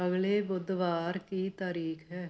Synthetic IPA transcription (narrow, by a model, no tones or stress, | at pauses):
əɡleːbʊd̪ʋaːɾkit̪aːɾiːkɦɛː